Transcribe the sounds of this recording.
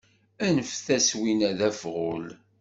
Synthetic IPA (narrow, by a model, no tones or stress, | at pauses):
ænəfθæswinæðæfʁʊl